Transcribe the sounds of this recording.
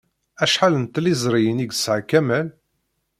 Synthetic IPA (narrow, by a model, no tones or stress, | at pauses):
æʃħalənt̪ːlizˤɾˤijəniɡsʕakæmæl